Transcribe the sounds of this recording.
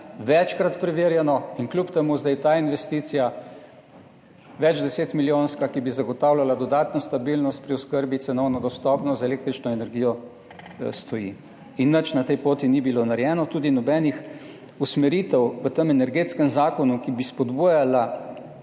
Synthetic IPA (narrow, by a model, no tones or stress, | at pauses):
ʋɛt͡ʃkɾat̪pɾɛʋeːɾjɛnɔinklupt̪ɛmuzd̪ajt̪ainʋɛst̪iːt̪sija | ʋɛd͡ʒd̪ɛseːt̪miljoːnskakibizaɡɔt̪aːwlalad̪ɔd̪aːt̪nɔst̪abilnɔst̪̚pɾiɔskəɾbit̪sɛnɔwnɔd̪ɔst̪ɔːpnɔzɛleːk̚t̪ɾit͡ʃnɔɛnɛɾɡijɔ | st̪ɔji | inːət͡ʃnat̪ɛjpoːt̪inibilonaɾjɛːnɔt̪uːd̪inɔbɛːnix | usmɛɾiːt̪ɛwʋət̪əmɛnɛɾɡeːt̪skɛmzaːkɔnukibispɔd̪bujala